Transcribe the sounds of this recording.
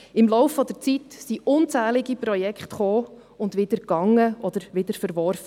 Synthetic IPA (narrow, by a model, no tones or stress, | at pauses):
ɪmlɔʊfːɔd̪əɾt͡sitsiʔʊnt͡sæːlɪɡipɾɔjɛkχtχoː | ʊndvʋɪd̥əɾkɑŋːəʔɔd̥̪əɾʋɪd̥əɾfəɾʋɔɾfə